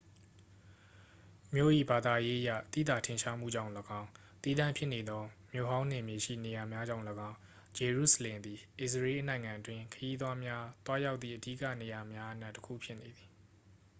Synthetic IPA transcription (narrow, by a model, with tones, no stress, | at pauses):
mjo̰˦˨ʔḭ˦˨ba˨d̪a˨je˦ʔəja̰˦˨t̪ḭ˦˨d̪a˨tʰɪ̃˨ʃa˦m̥ṵ˦˨d͡ʑã̰˦˨ʊ̃ləɡã˦ʊ̃ | t̪i˦d̪ã˦˨mpʰjɪ˦ne˨d̪ɔ˦mjo̰˦˨ɦã˦ʊ̃n̥ɪ̰̃˦˨mje˨ʃḭ˦˨ne˨ja˨mja˦d͡ʑã˦˨ʊ̃ləɡã˦ʊ̃ | d͡ʑe˨ɹṵ˦˨sə˨lɪ̃˨nd̪i˨ʔɪ˨səɹe˦ʔənã˨ɪ̃ŋã˨ʔətwɪ̃˦kʰəji˦d̪wa˦mja˦t̪wa˦ja˦ʊt̪θḭ˦˨ʔədḭ˦˨kä̰˦˨ne˨ja˨mja˦ʔəna˦ʔtːə̥kʰṵ˦˨pʰjɪ˦ʔne˨d̪i˨